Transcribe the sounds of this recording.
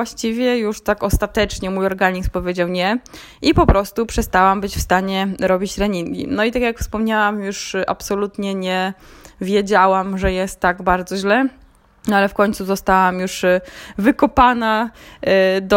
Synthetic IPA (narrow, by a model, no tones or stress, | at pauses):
waɕt͡ɕivʲjɛjuʂt̪akɔst̪at̪ɛt͡ʂɲɛmujɔɾɡaɲispɔvʲjed͡ʑawɲɛ | ʔipɔpɾɔst̪upʂɛst̪awambɘt͡ɕfst̪aɲɛɾɔbʲit͡ɕɾɛɲiŋɡʲḭnɔit̪akjakfspɔmɲawamjuʂʔa̰psɔlut̪ɲɛɲɛvʲjɛd͡ʑawamʐɛjɛst̪ːaɡbaɾd̪zɔʑlɛ | nalɛfkɔɲt̪suzɔst̪awamjuʂvɘkɔpana | d̪